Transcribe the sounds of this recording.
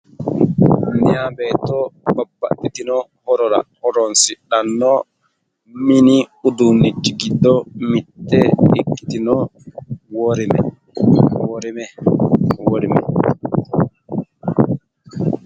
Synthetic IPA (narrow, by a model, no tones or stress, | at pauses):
nijabɛtɔbabːa̰tːitinɔhɔɾɔɾa̰hɔɾɔnsiɗanːɔ | miniud̪unːid͡ʒiɡidːɔmitːɛɗikːi̥t̪inɔ | wɔɾimɛ̰ | wɔɾimɛ | woɾimɛ̰